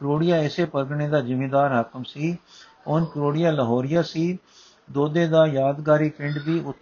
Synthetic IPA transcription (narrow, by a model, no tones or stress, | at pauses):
kɾoːɽɪjaːɪseːpəɾɡɳeːd̪aːd͡ʒɪmeːd̪aːɾɦəkəmsiːpɔːnkɾoːɽɪjaːləɦɔːɾɪjaːsiː | d̪oːd̪eːd̪aːjaːd̪ɡaːɾiːpɪ̃ɳɖd̪iːʊt̪ː